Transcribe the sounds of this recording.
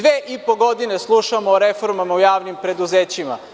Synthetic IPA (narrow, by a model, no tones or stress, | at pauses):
ʋeːʔipo̞ɡo̞d̪ine̞slˠuʃamoːɾefoɾmamaujaːʋnimpɾe̞d̪uzeːt͡ɕima̰